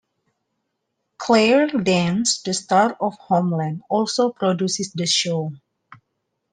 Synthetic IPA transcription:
kʰlɛɹdɛ̃nstəstaɾɔfhomlãndɔlsopɾɔdjusɪsdəʃo

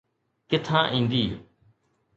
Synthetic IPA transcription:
kɪt̪ʰãːʔĩːnd̪iː

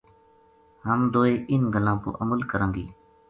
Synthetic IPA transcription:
ɦəmd̪oːeːʔɪnɡʱəlãːpo̰ːʔəməlkəɾə̃ːŋɡḭː

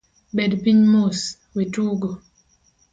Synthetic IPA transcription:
ɓɛdpiɲmos | wetuːɡo

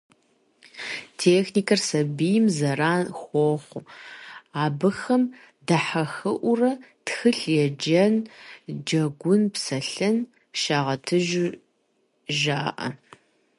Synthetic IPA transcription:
tʰeːxniːkʰɐrsɐbijɪmzɐraːnxʷɔχʷʊ | aːbɨxɐm | dɐħɐxɨʔʷʊrɐtxɨɬjɛd͡ʒɐnd͡ʒɐɡʷʊnpsɐɬɐn | ʃaːʁɐtʰɨʒʊ | ʒaːʔɐ̰

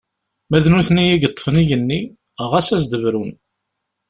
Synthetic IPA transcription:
mæðnuθnijiɡət̪ˤːə̥fənijənːi | əʁæsæzd̪əvɾun

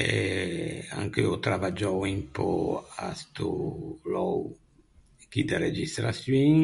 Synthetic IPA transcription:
ɛ | a̰ŋkɛɔt̪ɾavad͡ʒɔwimpɔa̰st̪ulɔw | kid̪aɾɛd͡ʒist̪ɾasjin

